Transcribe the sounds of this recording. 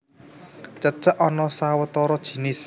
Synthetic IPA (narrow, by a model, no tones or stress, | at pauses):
t͡ʃət͡ʃəʔɔnɔsawət̪ɔɾɔd̥ʒ̥i̤nɪs